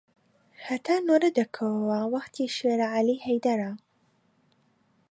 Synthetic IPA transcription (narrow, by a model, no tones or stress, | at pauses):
hɐt̪ʰaːnoɾɐd̪ɐkʰɐwwawɐqt̪ʰiːʃeːɾaʕaliːhɐjd̪ɐɾa